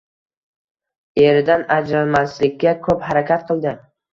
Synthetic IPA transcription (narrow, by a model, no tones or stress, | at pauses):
e̞ɾɪd̪anad͡ʒɾalmaslɪkʲːakʰɵphaɾakʲat̪̚qʰɨlˠd̪ɪ